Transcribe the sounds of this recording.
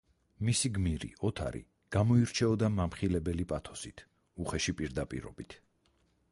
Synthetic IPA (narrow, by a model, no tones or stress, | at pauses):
misiɡmiɾḭɔt̪ʰa̰ɾḭ | ɡ̥amɔiɾt͡ʃʰɛɔd̪amamχilɛbɛlipʼat̪ʰɔ̥sit̪ʰ | uχɛʃipʼiɾd̪apʼḭɾɔ̰bit̪ʰ